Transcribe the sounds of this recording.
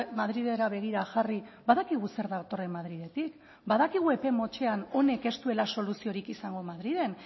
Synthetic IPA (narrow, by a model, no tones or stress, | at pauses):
maðɾiðe̞ɾaβe̞ɣ̞iɾaʝaribaðakiɣ̞use̞ɾðat̪o̞re̞maðɾiðe̞t̪ik | baðakiɣ̞ue̞pe̞mo̞t͡ʃe̞ano̞ne̞ke̞st̪ue̞laso̞lusio̞ɾikisaŋɡo̞maðɾiðe̞n